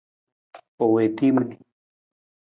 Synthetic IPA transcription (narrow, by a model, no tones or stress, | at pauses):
owet̪imni